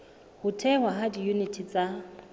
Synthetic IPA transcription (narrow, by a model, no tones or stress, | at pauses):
hʊtʰɛŋwaɦadijunitʰit͡sʼa